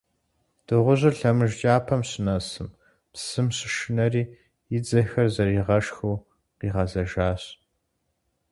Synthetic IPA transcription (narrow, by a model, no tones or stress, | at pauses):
d̥ɨʁʷʊʑɨɬɐmɨʒd͡ʒʼaːpʰɐmɕɪnɐsɨm | psɨmɕɪʃɪnɐriː | jɪd͡zɐxɐrzɐriːʁɐʃxuw | qiːʁɐzɐʒaːɕ